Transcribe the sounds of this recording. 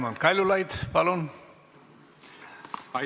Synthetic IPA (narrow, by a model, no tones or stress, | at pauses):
mɑnkɑjlulɑjt̪pɑlon